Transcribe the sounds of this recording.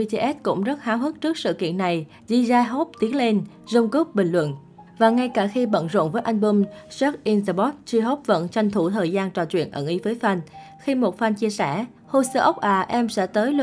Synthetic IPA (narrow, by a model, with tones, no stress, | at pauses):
i˧t͡ɕe˧ʔɛ˦˥t̚kʊ̰˧˥ŋ͡mzə˦˥t̚haː˨˦wɦɨ˦˥k̚t͡ɕɨ˦˥ək̚sɨ̰˧˨kḭ˧˨ənːa˨˩j | zi˧zaː˧ɦo˦˥p̚t̪i˨˦əŋle˧n | zə˧wŋ͡mko˦˥k͡p̚ɓï˨˩ŋ̟lwə̰˧˨n | vaː˨˩ŋa˧jkaː˧˩xi˧ɓə̰˧˨nzo̰˧˨nvəː˨˦jʔa˧jŋ̟ɓu˧msɔ˦˥k̚ʔi˧nza˧˩ɓɔ˦˥t̚t͡ɕi˧ɦo˦˥p̚və̰˧˥nt͡ɕa˧jŋ̟t̪ʰu˧˩t̪ʰəː˨˩jzaː˧nt͡ɕɔ̰˧˩t͡ɕwḭ˧˨ənʔə̰˧˩nʔi˨˦vəː˨˦jfa˧n | xi˧mo˨˩t̚fa˧nt͡ɕi˧əsɛ̰˧˩ | ho˧˩səː˧ʔə˦˥wk͡p̚ʔaː˧˩ʔɛ˧msɛ̰˧˥t̪əː˨˦j